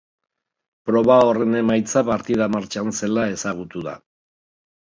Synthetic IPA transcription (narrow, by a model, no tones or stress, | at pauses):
pɾo̞βao̞re̞ne̞majt͡sapaɾt̪iðamaɾt͡ʃanse̞lae̞saɣ̞ut̪uða̰